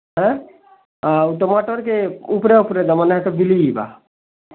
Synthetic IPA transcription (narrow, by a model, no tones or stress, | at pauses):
ɦɛ̃ | auʈomaʈoɾkeupɾeupɾed̪əmənɦt̪ɔbiliiba̰